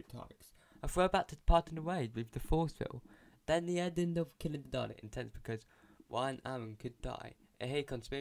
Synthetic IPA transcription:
tʰɑ̰pɪks | əfɹoʊbatʰə̥pʰɑˑtɪ̃n̩əweɪɹivðəfɔˑsfɪ̰lˠ | ðə̃nðiɛdɪn̩dʌvkʰɪlˠɪ̃ŋðədɑ̰ːnɨ̰tɪ̰̃ntʰɛ̃nsb̥ɪkʰʌz | wãɪ̃namə̃nkʰɨda̰ɪ | ʔɪɦekʰə̃nsmɪ

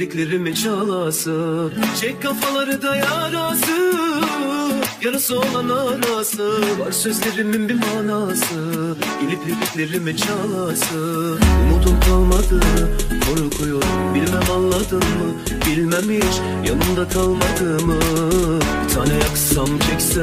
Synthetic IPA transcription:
liclʲeɾimit͡ʃʰalˠasɯt͡ʃʰɛkʲkʰːafalˠaɾɯd̪ajaːɾaːsɯ | janɯsoolˠanaɾaːsɯvaɾsø̞zlʲeɾiminbimaːnasɯɟelʲipleficlʲeɾimit͡ʃʰalˠasɯumut̪ʰumkʰalˠmad̪ɯmɯkʰoɾukʰujoɾmbilʲmɛmanlˠːad̪ɯmɯ | bilʲmemiʃ | janɯmd̪akʰalˠmad̪ɯmɯ | bit̪ʰaːnɛjaksamt͡ʃʰɛkʲsɛ

